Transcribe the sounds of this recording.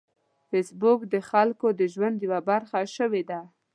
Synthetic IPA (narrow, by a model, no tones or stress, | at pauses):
fesbʊkd̪əxalkod̪əʒwand̪jawabaɾxaʃəwed̪a